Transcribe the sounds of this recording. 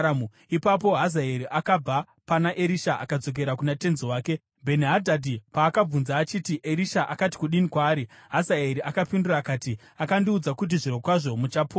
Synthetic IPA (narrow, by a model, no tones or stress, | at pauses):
mu | ipap̬o̞ɦazaeɾiʔakab͡va | panaʔe̞ɾiʃaʔa̰kad͡zo̞k̬e̞ɾakunate̞nziwaːke̞ | bʱe̞niɦadʱadʱipaːkab͡vunzaːt͡ʃiːtiʔe̞ɾiʃaʔakati̥kuɗinikwaːɾiɦazaeɾiʔakapinduraːkaːti | akandiud͡zakut̬iʐiɾo̞kwaʐo̞mut͡ʃapo